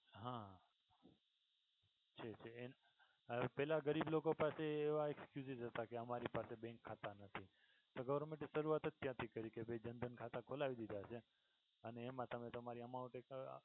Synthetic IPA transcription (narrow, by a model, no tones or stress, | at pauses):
ɦã | t͡ʃʰet͡ʃʰeen | pɛlaɡəɾiblokopaseːʋaekskjuzizɦət̪akeəmaɾipasebɛ̃ŋkʰːat̪anət̪ʰi | t̪oɡəʋəɾmẽʈiʃəɾuat̪ət̪jãt̪ʰikəɾikebed͡ʒənd̪ənkʰat̪ãkʰolaʋid̪id̪ʱat͡ʃʰe | əneːmãt̪əmet̪əmaɾiəmãuʈek